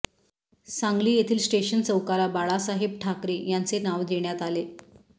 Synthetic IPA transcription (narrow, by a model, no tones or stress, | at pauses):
sãŋɡliːjet̪ʰiːlsʈeɕənt͡səwkaɾabaɭasaɦib̚ʈʰakɾejant͡senaʋd̪eɳjat̪ale